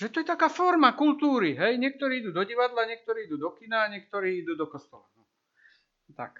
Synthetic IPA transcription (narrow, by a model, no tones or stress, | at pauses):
ʒɛt̪ɔjɛt̪akaːfɔɾmakult̪uːɾiɦɛjɲɪɛk̚t̪ɔɾiːid̪uːd̪ɔɟiʋad̪laɲɪɛk̚t̪ɔɾiːid̪uːd̪ɔkinaːɲɪɛk̚t̪ɔɾiːid̪uːd̪ɔkɔst̪ɔla̰nɔ | t̪a̰k